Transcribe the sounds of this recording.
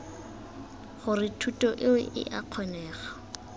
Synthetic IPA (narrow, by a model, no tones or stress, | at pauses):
χʊrɪtʰutʼɔʔɪwɛʔɪ̰ʔaq͡χʰɔnɛːχḁ